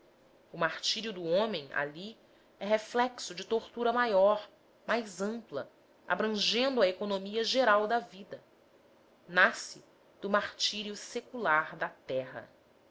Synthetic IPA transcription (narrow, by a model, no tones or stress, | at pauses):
ʊmaɾt͡ʃiɾiʊd̪ʊõmẽj̃a̰li | ɛɦeflɛksʊd͡ʒɪt̪oɾt̪uɾɐmajɔɾ | majzɐ̃mplɐ | a̰bɾɐ̃ʒẽnd̪ʊɐekonomiɐʒeɾawd̪ɐvid̪ɐ | nasɪ | d̪̥ʊmaɾt͡ʃiɾiʊsekulaɾd̪ɐt̪ɛɦɐ̰